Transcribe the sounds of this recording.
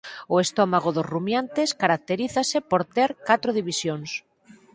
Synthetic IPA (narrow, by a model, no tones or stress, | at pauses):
ʊest̪ɔmaɣ̞oðozrumjant̪eskaɾak̚t̪eɾiθasepoɾt̪eɾkat̪ɾoðiβisjoŋs